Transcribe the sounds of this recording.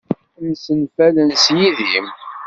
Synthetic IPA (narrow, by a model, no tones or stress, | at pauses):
msənfælənsjiðim